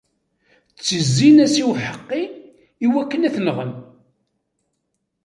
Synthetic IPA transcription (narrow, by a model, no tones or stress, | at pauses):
t͡sːəzːinæsiwħəqːi | iwækːənæθnʁən